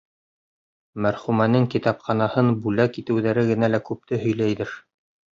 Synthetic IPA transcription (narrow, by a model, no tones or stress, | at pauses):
mæɾχʉmænɘŋkit̪ɑpχɑnɑhɤnbʉlækit̪ɘ̆wðæɾɘɡɘ̆nælækʉp̚t̪ɘɦɵ̆jlæjðɘɾ